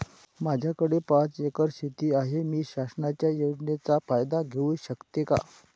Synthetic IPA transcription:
mad͡ʑʱjakəɽepat͡sekəɾɕit̪iːaɦemiːɕasənat͡ɕjajod͡ʑnet͡safajd̪aɡʱeũɕəkt̪jeka̰

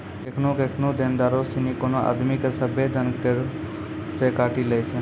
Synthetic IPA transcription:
ekʰnokekʰnod̪end̪aɾosinikonoʔa̰d̪mikesəbʱed̪ʱənkeɾ | sekaʈiləjt͡ʃʰe

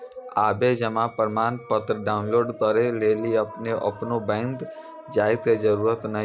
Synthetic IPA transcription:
aːbed͡ʒɐmãpəɾmaːnpət̪ɾəɖaːʊnloːɖt̪ɔːɾeleːlieɐpneʔɐ̰pnõbɛ̃ːnd̪ | d͡ʒaːɪd̪kezɐɾuːɾət̪nɐɦ

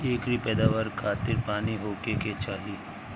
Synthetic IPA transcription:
eːkɾipɛːd̪aːʋəɾkʰaːt̪ɪɾpaːniɦoːkeket͡ʃaːɦie

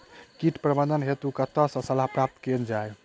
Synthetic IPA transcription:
kiʈpɾəbəd̪ənɦet̪ukat̪əsə̃səlapɾap̚t̪kend͡ʒae

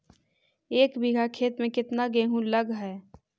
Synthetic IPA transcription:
eːkbiɡʱakʰeːt̪mẽkɪt̪naɡeːɦũlɐɡɦɛː

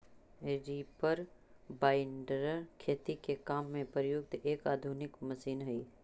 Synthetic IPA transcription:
eɾiːpəɾbaːɪɳɖɾkʰeːt̪ikekaːmːẽpɾəjʊɡ̚t̪eːkaːd̪ʱunɪkmɐʃiːnɦɐiː

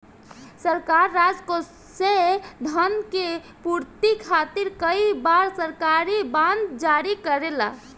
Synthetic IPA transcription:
səɾkaɾːad͡ʒko | sed̪ʱənke | puɾt̪ikʰat̪iɾkəibaɾsəɾkaɾibãnd̪d͡ʒaɾikəɾela̰

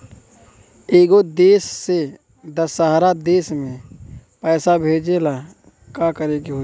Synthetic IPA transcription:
eːɡod̪eːsːe | d̪əsːəɦɾad̪eːsmẽpɛːsabʱeːd͡ʒela | kakəɾeɡiɦoː

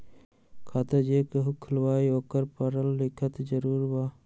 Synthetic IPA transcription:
kʰaːt̪əd͡ʒeːkəɦukʰʊlwaːioːkəɾpəɾəlːɪkʰət̪d͡ʒəɾuːɾbaː

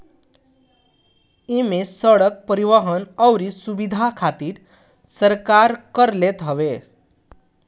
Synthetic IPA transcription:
imesəɽək̚pəɾiʋəɦənʌwɾisubid̪ʱakʰat̪iːɾ | səɾkaɾkəɾlet̪ɦʌʋe

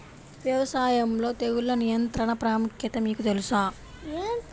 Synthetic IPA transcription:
ʋjɐʋɐsaːjɐmlo̞ːt̪eɣuɭːɐnijɐnt̪ɾɐɳɐpɾaːmukjɐt̪ɐmiːkut̪elusaː

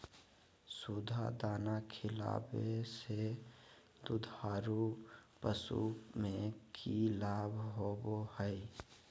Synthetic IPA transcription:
sud̪ʱa̰d̪aːnakʰɪla̰ːbese | d̪ud̪ʱaːɾupəsṵmẽkʰilaːbʱɦobohəɪ

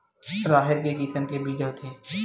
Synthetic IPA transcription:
ɾaːɦɪɾkekiːsəmkebiːd͡ʒəɦt̪ʰeː

